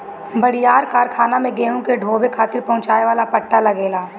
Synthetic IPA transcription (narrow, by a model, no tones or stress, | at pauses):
bɐɽɪjaːɾkaːɾkʰaːnamẽɡeːũkeɖʱoːbekʰaːt̪ɪɾpɐɦʊ̃t͡ʃaːeʋaːlapəʈːalɐɡeːlaː